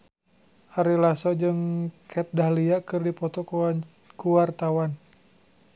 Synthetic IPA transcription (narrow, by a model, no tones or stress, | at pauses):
haɾilasɔd͡ʒɨŋkʰɛt̪̚dahliakɨrdipɔt̪ɔk | kuwart̪awan